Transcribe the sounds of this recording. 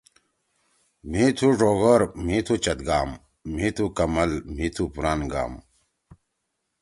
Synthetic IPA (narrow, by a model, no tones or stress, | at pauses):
miːt̪ʰuʐoːɣɐɾmiːt̪ʰut͡ɕɐt̪̚ɡaːmː | iːt̪ʰukɐmɐlmiːt̪ʰupuɾaːnɡa̰ːm